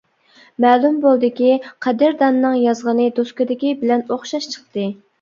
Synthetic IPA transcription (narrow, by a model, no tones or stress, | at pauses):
mɛːlˠumbolˠd̪ɪkʲiqʰɛd̪ɪɾd̪ɑnːɨŋjɑzʁənɨd̪oskʊd̪ɪkʲibɪlɛnoχʃɑʃt͡ʃʰə̥χt̪ɨ